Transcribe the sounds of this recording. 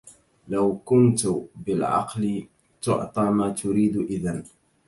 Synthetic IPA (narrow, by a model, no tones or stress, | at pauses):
lawkʊnt̪ʊbɪlʕɑ̰qlɪ | t̪ʊ̰ʕt̪ˤɑːmaːt̪ʊɾiːd̪ʔɪðan